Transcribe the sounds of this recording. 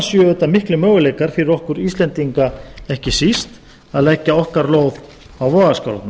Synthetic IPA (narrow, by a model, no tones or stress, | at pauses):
sjœʏt̪amɪhklʏmœːwʏlejkaɾ̥fɪɾɪɾɔhkʏɾist̪lɛnt̪iŋkaɛhcɪsist̪ | aðlɛcːaɔhkaɾloːwð | awvɔːɣaska̰wla̰t̪na